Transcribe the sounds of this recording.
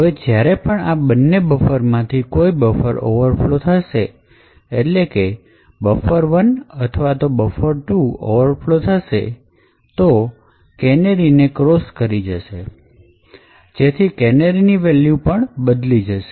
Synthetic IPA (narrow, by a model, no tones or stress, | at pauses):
ɦəʋed͡ʒjaɾepəɳabənːebəfəɾmãt̪ʰikoibəfəɾo̰ʋəɾflot̪ʰəʃe | eʈleke | bəfəɾʋənət̪ʰəʋat̪obəfəɾʈuo̰ʋəɾflot̪ʰəʃḛ | t̪o | kɛneɾinekɾoskəɾid͡ʒəʃe | d͡ʒet̪ʰikɛneɾiniʋɛljupəɳbəd̪lid͡ʒəʃe